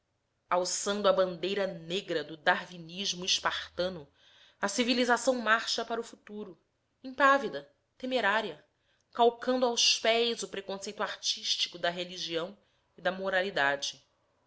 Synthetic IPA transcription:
awsɐ̃nd̪ʊɐbɐ̃nd̪ejɾɐneɡɾɐd̪ʊd̪aɾviniʒmʊiʃpaχt̪ɐ̃nʊ | ɐsivilizasɐ̃w̃maɾʃɐpaɾʊfut̪uɾʊ | ẽpavid̪ɐ | t̪emeɾaɾiɐ | kawkɐ̃nd̪ʊawspɛjzʊpɾekõsejt̪uaɾt͡ʃiʃt͡ʃi̥kʊd̪ɐɦeliʒiɐ̃w̃ | id̪ɐmoɾalid̪ad͡ʒɪ

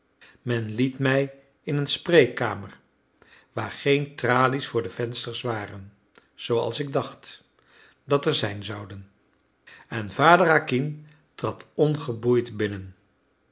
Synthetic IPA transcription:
mɛnlitmɛj | ɪnənsprejka̰ːməɹ | ʋaːɹχejntraːlisfʊːɹdəv̥ɛnstəɹsʋaːrən | z̥owɑ̰lˠsɪɡ̚dɑχt | dɑtɛɹzɛjnzʌwdən | ɛnvaːdəɾakin | trɑtɔnχəbujtbɪnən

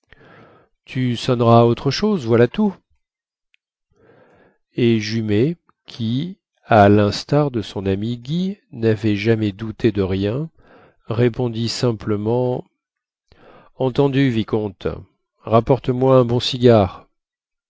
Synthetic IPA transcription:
t̪ʰysɔnʁaːot̪χəʃozvwalat̪u | eʒyme | kʲʰi | alɛ̃st̪aʁd̪əsɔ̃namiɡʲinavɛʒamɛd̪ut̪ʰed̪əʁjɛ̃ | ʁepɔ̃d̪isɛ̃pləmɑ̃ | ɑ̃t̪ɑ̃d̪yvikɔ̃t̪ | ʁapɔʁt̪əmwaɛ̃bɔ̃siɡʲaːʁ

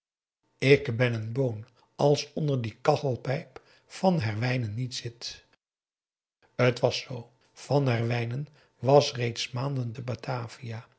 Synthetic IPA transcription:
ɪkbɛnənbown | ɑlˠsɔndəɹdikɑtəlˠpɛjp | fɑnɦɛɹʋɛjnənːitsɪt | ətʋɑsow | v̥ɑnɦɛɹʋɛjnən | ʋɑsrejtsmaːndəntəbatʰaːvija

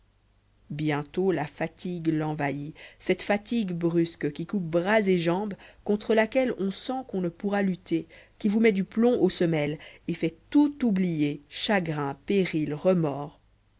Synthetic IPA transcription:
bjɛ̃t̪olafat̪ʰiɡlɑ̃vaisɛt̪fat̪iɡbʁyskkʲikup̚bʁazeʒɑ̃bkɔ̃t̪χəlakʲɛlɔ̃sɑ̃kɔ̃nəpuʁalyt̪ekʲivumɛd̪yplɔ̃ʔosəmɛlefɛt̪ut̪ublijeʃaɡʁɛ̃peʁilʁəmɔːʁ

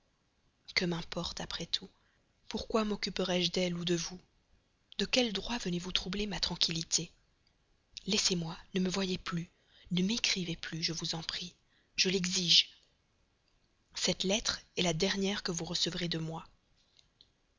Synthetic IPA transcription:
kəmɛ̃pɔʁt̪apχɛt̪ʰu | puʁkwamɔkʲypəʁɛʒd̪ɛlud̪əvu | d̪̥əkʲɛld̪ʁwavənevut̪χublemat̪χɑ̃kʲʰilit̪e | lɛsemwanəməvwajeply | nəmekχiveplyʒəvuzɑ̃pχi | ʒ̥əlɛɡziʒ | sɛt̪lɛt̪χɛlad̪ɛʁnjɛʁkəvuʁəsəvʁed̪əmwa

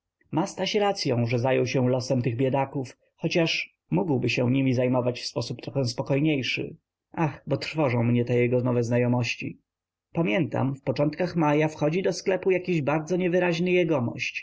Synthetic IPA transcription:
mast̪aɕɾat̪sʲjɔ̃w̃ʐɛzajɔwɕɛ̃lɔsɛmt̪ɘɣbʲjɛd̪akuf | xɔt͡ɕaʂ | muɡwbɘɕɛ̃ɲimʲizajmɔvat͡ɕfspɔsup̚t̪ɾɔxɛ̃w̃spɔkɔjɲejʂɘ̰ | ʔaxbɔt̪ɾ̥fɔʐɔ̃w̃mɲɛt̪ɛjɛɡɔnɔvɛznajɔmɔɕt͡ɕḭ | pamʲjɛnt̪a̰mfpɔt͡ʂɔnt̪kaxmajafxɔd͡ʑid̪ɔsklɛpujakʲiʑbaɾd̪zɔɲɛvɘɾaʑnɘjɛɡɔmɔ̰ɕt͡ɕ

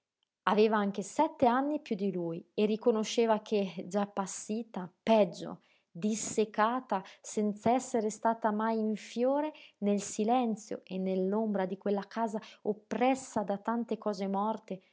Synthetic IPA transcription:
aveːvaaŋk̟esɛt̪ːeanːipjud̪ːilujerːikonoʃːeːvak̟ʰed͡ʒapːasːiːt̪apɛd͡ʒːo̰ | d̪isːekaːt̪asɛnt̪saɛsːeɾest̪aːt̪amajiɱfjoːɾenelsilɛnt̪sjo̰ʔenːelːombɾad̪ikwelːakʰaːzaopːɾɛsːad̪at̪ant̪ekɔːzemɔrt̪e

